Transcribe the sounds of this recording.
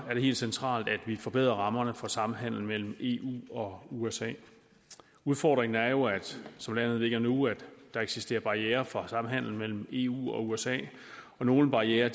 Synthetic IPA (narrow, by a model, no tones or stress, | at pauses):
æɐɾ̥ee̝̰ːld̥sent͡sʰʁɑ̰̈ːld̥æd̥ʋifɒ̽b̥e̝ð̰ˠʁɐʁɑ̈mɐnəfɒ̽sɑ̈m̩ɦæn̰l̩n̩mel̰m̩e̝ːʔṵːɒ̽uesɛ̰ː | uðˠfɒ̰ːd̥ʁeŋn̩æɐjo̝æd̥sɒ̽mlæn̰ð̩ˠle̝ɡ̥ɐnuæd̥ːɑ̈eɡ̥sisd̥e̝̰ːɐb̥ɑ̈jeːɐfɒ̽sɑ̈m̩ɦæn̰l̩mel̰m̩e̝ːṵːɒ̽uesɛ̰ː | ɒ̽no̝ːləb̥ɑ̈ieːɐ